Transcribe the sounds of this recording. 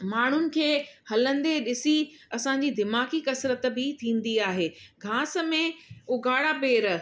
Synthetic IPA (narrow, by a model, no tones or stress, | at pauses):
maːɳ̤ʊnɪ̆kʰeːhɐlə̃nd̪eɗɪsi | ɐsãɲd͡ʑiːd̪ɪmaːkikɐsɾət̪̆bɪt̪ʰĩːn̆d̪iaːɦeːɡʱãːsə̆mẽʊɡʱaːɽapeːɾ